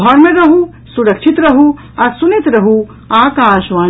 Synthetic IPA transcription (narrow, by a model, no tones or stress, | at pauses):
ɔɾmẽɾɐɦu | suɾəkʃʰit̪ɾɐɦu | ɔːɾsunet̪ɾɐɦu | aːkaːʃʋaː